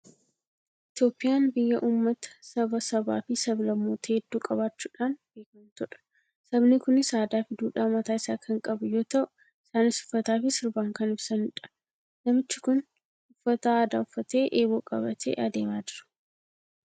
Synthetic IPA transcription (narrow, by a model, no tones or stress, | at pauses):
ʔɪt̪jo̞ːpʼːɪjaːnbɪjːɐʔuːmːɐt̪ɐ̥sɐbɐsɐba̰ːfɪsɐblɐmːoːt̪ɐeːd̪ːuːkʼɐβaːt͡ʃːuːᶑaːnb̥e̞ːkɐmt̪ɔᶑɐ̥ | sɐbnɪkʊnɪsaːd̪aːfɪd̪uːᶑaːmɐt̪aːɪsaːkʰɐŋkʼɐbʊjo̞ːt̪ɐʔʊ | ɪsaːnɪsʊ̥fːɐt̪aːfɪsɪɾbaːŋkɐnɪbsɐnɪᶑɐ̥ | nɐmɪt͡ʃːɪkʊn | ʊfːɐt̪aaːd̪aːʊfːɐt̪e̞ːʔeːbo̞ːkʼɐ̰bɐt̪ʰḛːʔɐd̪e̞ːmaːd͡ʒɪɾɐ̥